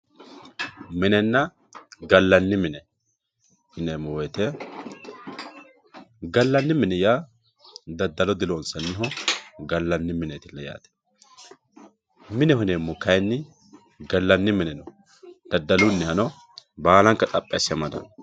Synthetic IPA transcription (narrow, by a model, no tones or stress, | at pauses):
mɪnɛnːɐ | ɡɐlːɐnːɪmɪnɛ | hɪnemːɔwɛt̪ɛ | ɡɐlːɐnːɪmɪnɛjaː | d̪ɐd̪ːɐlɔd̪ɪlonsɐnːɪɦɔɡɐlːɐnːɪmɪnet̪ɪlːɐja̰ːt̪ɛ̥ | mɪnɛhɪneːmːɔkɐjnːɪ | ɡɐlːɐnːɪmɪnɛnɔ | d̪̥ɐd̪ːɐlʊnːɪhɐnɔ | baːlɐŋkːɐt̪ʼɐpʼːɛɐsɪɐmɐd̪ɐ̰n